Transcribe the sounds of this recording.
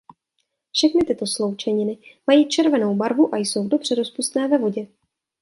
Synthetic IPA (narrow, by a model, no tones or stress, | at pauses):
fʃɛxnɪt̪ɪt̪o̞slo̞wt͡ʃɛɲɪnɪmajiːt͡ʃɛɾvɛno̞wbaɾvuʔajso̞wdo̞br̝̥ɛɾospust̪nɛːvɛvo̞ɟɛ